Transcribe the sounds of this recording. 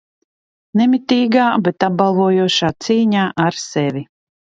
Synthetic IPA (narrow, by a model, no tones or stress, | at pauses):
nɛmʲit̪iːɡaːbɛt̪ab̚balˠvuɔjuɔʃaːt̪siːɲaːʔaɾsɛvʲi